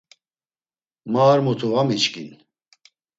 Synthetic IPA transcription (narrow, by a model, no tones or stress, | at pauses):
maːɾmut̪ʰuvamit͡ʃkin